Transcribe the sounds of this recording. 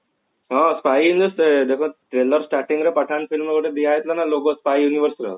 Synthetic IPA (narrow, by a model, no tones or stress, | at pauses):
ɦãspajunəst̪əd̪ekʰəʈɾeləɾsʈaʈiŋɡɾəpəʈʰanfilməkəʈed̪iajet̪lanaloɡəspajjuniʋəɾsɾə̰